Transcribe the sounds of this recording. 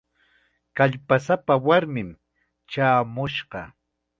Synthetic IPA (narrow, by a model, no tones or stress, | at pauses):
kaʎpasapawaɾmɪm | t͡ʃaːmʊʃɢɑ̰